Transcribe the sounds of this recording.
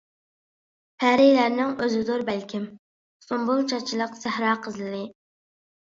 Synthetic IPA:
pʰæɾɪjlæɾnɪŋøzɨd̪uɾbælkʲʰɪm | st̪ombulˠt͡ʃʰɑt͡ʃʰilˠəqsæhɾɑːqʰəzlɨd̪ɨ

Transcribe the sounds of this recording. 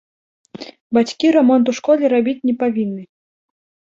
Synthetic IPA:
bat͡sʲkʲiɾamɔnt̪̬uʂkɔlʲɛɾabʲit͡sʲnʲɛpavʲinːɨ

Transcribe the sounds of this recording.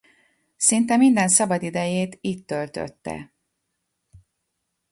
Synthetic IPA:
sint̪ɛmind̪ɛnsɒbɒd̪id̪ɛjeːt̪iːt̪t̪ːølt̪ø̰t̪ːɛ̰

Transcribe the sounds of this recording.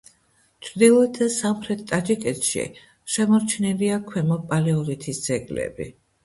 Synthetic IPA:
t͡ʃʰɾd̪ilˠɔɛt̪ʰd̪asamχɾɛt̪t̪ʼad͡ʒikʼɛt̪ʃḭ | ʃɛmɔɾt͡ʃʰnɛliakʰwɛmɔpʼalɛɔlit̪ʰisd̪z̥ɛɡlɛ̰bḭ

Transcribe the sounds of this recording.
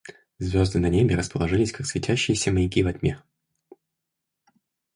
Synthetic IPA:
zvʲo̞zd̪ɨnɐnʲebʲɪɾəspəlˠɐʐɨlʲɪsʲkaksvʲɪtʲæɕːɪjɪsʲəməjɪkʲivɐd̪ʲmʲe

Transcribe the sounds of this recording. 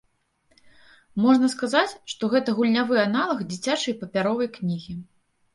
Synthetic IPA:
mɔʐnɐskazat͡sʲʂt̪ɔɣɛt̪ɐɣulʲnʲavɨjanalˠɐxd͡zʲit͡sʲat͡ʂɐjpɐpʲaɾɔvɐjknʲiɣʲi

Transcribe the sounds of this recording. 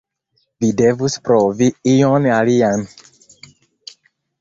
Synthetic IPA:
videvuspɾoviijonalian

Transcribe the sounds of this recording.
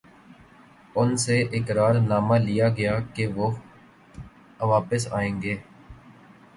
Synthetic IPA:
ʊnseʔɪkɾaːɾnaːmalijaɡɐjakeʋoː | ʋaːpəsa̰ːẽːŋɡeː

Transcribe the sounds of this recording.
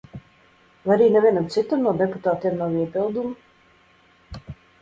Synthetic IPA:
vaaɾiːnɛvʲiɛnamt̪sit̪amnuɔd̪ɛput̪aːt̪iɛmnawiɛpilˠd̪umu

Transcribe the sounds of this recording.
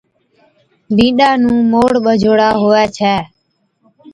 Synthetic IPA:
bĩːɗaːnũːmoːɽɓəd͡ʒʱoːɽaːɦoːɛːt͡ʃʰɛː

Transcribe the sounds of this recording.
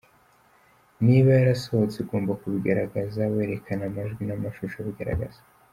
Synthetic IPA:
niβajaɾasohot͡seɡo̞ːmbakuβiɡaɾaɡazawe̞ɾe̞kʰanamaʒɡwinamaʃuʃoβiɡaɾa̰ɡa̰z̥ḁ

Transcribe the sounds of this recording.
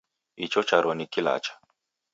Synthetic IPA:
it͡ʃɔt͡ʃaɾɔnikila̰t͡ʃḁ

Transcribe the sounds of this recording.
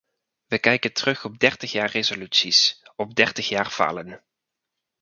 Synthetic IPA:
ʋəkɛjkəntərɵχɔb̚dɛɹtəχjaːɹrezolytsisɔb̚dɛɹtəχjaːrv̥a̰ːlən

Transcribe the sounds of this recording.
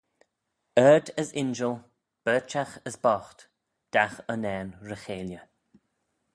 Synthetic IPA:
əːd̪əsɪnd͡ʒəlˠ | b̥ɜːt͡ʃaxəsbɔxt̪ | d̪̥axənɛːnɹəxeːljə

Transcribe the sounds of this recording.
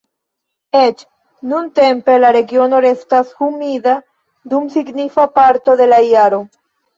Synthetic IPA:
e̞t͡ʃ | nunte̞mpe̞laɾe̞ɡio̞no̞ɾe̞stashumida | dumsiɡnifapaɾto̞de̞lajaɾo̞

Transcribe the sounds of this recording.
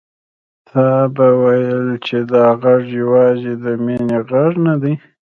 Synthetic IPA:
t̪ʰɑbawajəlt͡ʃed̪ɑɣaʐjawɑzid̪əmeneɣaʐnad̪əj

